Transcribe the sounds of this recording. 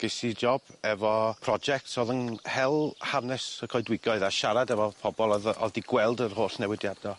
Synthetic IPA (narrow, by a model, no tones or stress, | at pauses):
ɡ̥ɪsid͡ʒɔb̥ɛvɔpʰrɔd͡ʒɛk̚tsoðənhɛlˠhavnɛsəkʰɔɨdwɪɡɔɨðaʃaɾadɛvɔpʰɔbɔlˠɔðɔ̰diɡwɛlˠdərɦoːɬnɛwɪdjadɔ